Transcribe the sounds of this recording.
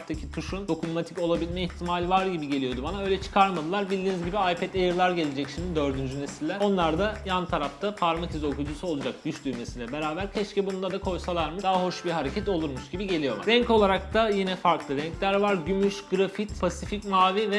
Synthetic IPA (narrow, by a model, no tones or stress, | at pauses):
t̪ʰacʰit̪ʰuʃund̪̥o̞kʰummat̪ʰico̞lˠabilʲmɛiçt̪ʰimaːlʲivaɾɟibiɟe̞lʲijo̞d̪ubanaø̞jlʲɛt͡ʃʰɯ̥kʰaɾmad̪ɯlˠaɾbilʲd̪iːnizɟibiajpʰɛt̪ajɯɾlˠaɾɟe̞lʲed͡ʒɛcʃimd̪id̪ø̞ɾd̪ynd͡ʒynesilʲːɛo̞nlˠaɾd̪ajant̪ʰaɾaft̪ʰapʰaɾmacizo̞kud͡ʒusuo̞lˠud͡ʒak̚ɟ̥yʃlʲyɾmesilʲɛbe̞ɾaːbæɾcʰɛʃcɛbund̪ad̪akʰo̞jsalˠaɾmɯd̪aɦaɦo̞ʃbiɾɦaɾe̞cʰɛt̪o̞lˠuɾmuʃɟibiɟe̞lʲijo̞laɾɛɲco̞lˠaɾak̚t̪ʰajinɛfaɾklˠɯɾɛɲcʰlʲæɾvaɾɟymyʃɡɯɾafit̪pʰasificmaːvivɛ